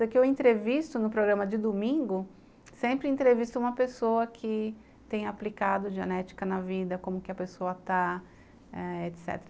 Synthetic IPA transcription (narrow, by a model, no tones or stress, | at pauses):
kɪewẽnt̪ɾevist̪ʊnʊpɾoɡɾɐ̃mɐd͡ʒɪd̪omĩŋɡʊ | sẽmpɾɪẽt̪ɾevist̪ʊũmɐpesowɐkʰɪ | t̪ẽj̃aplikad̪ʊd͡ʒiɐnɛt͡ʃi̥kɐnɐvid̪ɐkõmʊkɪɐpesoɐt̪a | ɛet̪sɛ̰t̪eɾɐ